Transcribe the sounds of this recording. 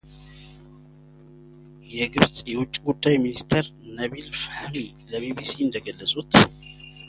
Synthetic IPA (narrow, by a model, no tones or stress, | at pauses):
jɛɡɨβt͡sʼjɛwʊt͡ʃʼːiɡud̪ːajminist̪ʰəɾnəβilfhami | ləbibisiɨnd̪əɡəlːəsʼut̪